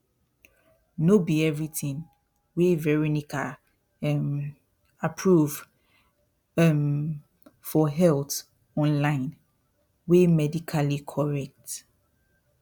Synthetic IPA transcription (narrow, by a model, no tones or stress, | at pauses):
nobiɛvɹitĩn | wevɛɹinikʰa | m | apʰɹuv | m | fɔɦɛlt | ɔ̃nlãɪ̃n | wemɛdikʰalikʰɔɹɛk̚t